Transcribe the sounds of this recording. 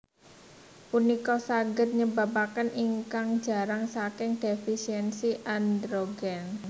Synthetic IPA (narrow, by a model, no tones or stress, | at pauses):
punikɔsaɡər̚ɲəba̤pakəniŋkaŋ̥d͡ʒ̥a̤ɾaŋsakɪŋd̥efisiɛnsiʔand̪ɾoɡɛn